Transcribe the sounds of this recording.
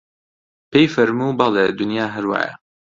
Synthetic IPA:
pʰejfɐɾmuːbɑlɛd̪unjaːɦɛɾwɑ̰ːjɛ̰

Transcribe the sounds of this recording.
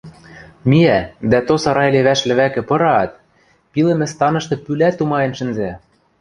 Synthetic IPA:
miæd̪æt̪osɑɾɑjleβæʃlɘ̆βækɘ̆pɤ̆ɾɑt̪̚ | pilɘ̆mɘ̆st̪ɑnɤ̆ʃt̪ɤ̆pylæt̪ːumɑjɤ̆nʃɘ̆nzæ

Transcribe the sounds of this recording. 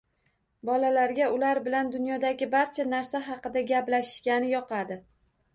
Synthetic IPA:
bɒlalaɾɡʲaʊlaɾbɪland̪ʊnjɒd̪aɡʲɪbaɾt͡ʃʰanaɾsaɦɑqɨd̪aɡʲaplaʃɪ̥ʃkʲanɪjɒqʰɑd̪ɪ

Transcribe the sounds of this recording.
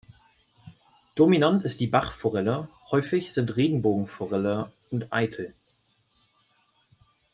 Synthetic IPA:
d̥ominantɪst̚d̥iːbaχfoʁɛləhɔʏfɪçz̥ɪntʁeːɡŋ̩boːɡŋ̩foʁɛlə | ʊntʔa̰ɪtʰl̩

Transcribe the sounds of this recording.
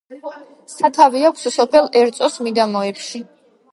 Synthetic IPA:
sat̪ʰaviakʷʰssɔpʰɛlˠɛɾt̪sʼɔsmid̪amɔɛpʃi

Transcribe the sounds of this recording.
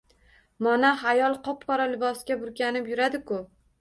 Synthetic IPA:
mɒnaɦajɒlˠqʰɒpqʰɒɾalɪbɒsɡʲabʊɾɡʲanɪpjʊɾad̪ɪkʰʊ

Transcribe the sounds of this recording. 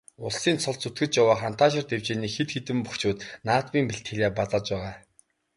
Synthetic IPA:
ʊɮsiːnt͡sʰɔɮt͡sut̪ɡɘ̆t͡ɕjawaːχan̥t̪ʰaːʃ̬ɪ̆rt̪ewt͡ɕeːniːxet̪xet̪ɘ̆mpuxt͡ɕuːt̪naːt̪piːmpiɬt̪xeɮʲaːpat̪ăːt͡ɕpæːʁaː

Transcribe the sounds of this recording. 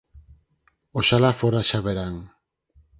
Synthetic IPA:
oʃalafoɾaʃaβeɾaŋ

